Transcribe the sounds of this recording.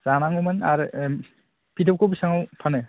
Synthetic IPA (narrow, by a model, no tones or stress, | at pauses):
zanaŋumana̰ɾ | pʰidawkowbisaŋawpʰanɯ